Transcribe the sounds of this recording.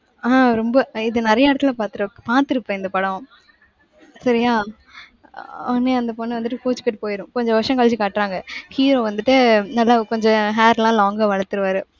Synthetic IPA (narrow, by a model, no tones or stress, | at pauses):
aːɾɔmbɐɪðɯnɪɾɐjɐɪɽɐt̪ːɪlɐpaːɾt̪ɯɾɐpaːɾt̪ɯɾɯpːɛ̃ːɪnd̪ɐpɐɽɐ̃ | sɐɾɪjaː | ɐnːeɐnd̪ɐpɔnːɯʋɐnd̪ɯʈːɯkoːt͡ʃːɯkːɪʈːɯpoːjɪɾʊ̃kɔɲd͡ʒɔ̃ʋɐʂɐ̃ŋkɐlt͡ʃɯkaːʈːɾaːŋɡɐhiːɾoːʋɐnd̪ɯʈːɯnɐlːakɔɲd͡ʒɔ̃ɦaːɾlãːloːŋɡɐʋɐɻɐt̪ːɯɾɯʋaːɾɯ